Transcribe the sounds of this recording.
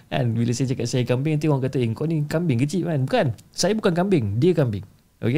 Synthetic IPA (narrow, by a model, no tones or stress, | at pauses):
ʔa̰nbilasajat͡ʃakat̪̚sajakambɪŋant̪̬uɔaŋkat̪aiŋkɔʔnĩkambɪŋkət͡ʃiʔ̚mãnbukansajabukankambɪŋdiəkambɪŋ | ʔo̰ke